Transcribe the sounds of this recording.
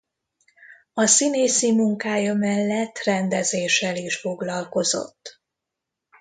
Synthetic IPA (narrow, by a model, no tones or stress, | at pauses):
ɒsineːsimuŋkaːjɒmɛlːɛt̪ːrɛnd̪ɛzeːʃɛliʃfo̞ɡlɒlko̞zo̞̰t̪ː